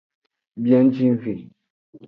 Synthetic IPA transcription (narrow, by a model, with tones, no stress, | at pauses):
bjɛ̃˦n̩˦t͡ʃĩ˦n˦fĩ˨